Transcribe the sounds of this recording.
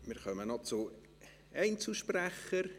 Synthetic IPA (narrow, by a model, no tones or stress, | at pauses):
mɪːɾχœmənɔt͡su | ɛɪnt͡sl̩ʃpræχəɾ